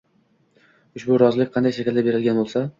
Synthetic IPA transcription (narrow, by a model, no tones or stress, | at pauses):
ʊʃbʊɾɒzlɪk̚ʲqʰɑnd̪ajʃekʲɪld̪abe̞ɾɪlɡʲanbolˠsa